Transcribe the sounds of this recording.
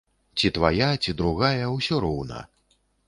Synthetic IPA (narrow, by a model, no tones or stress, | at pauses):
t͡sʲit̪vajat͡sʲid̪ɾuɣajɐwsʲɔɾɔwnɐ̰